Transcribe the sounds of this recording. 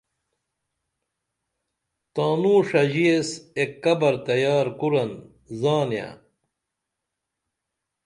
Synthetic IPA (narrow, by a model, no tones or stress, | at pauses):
t̪aːnũːʂɐʑiesekːɐbɐɾt̪ɐjaːɾkuɾɐn | zaːnja̰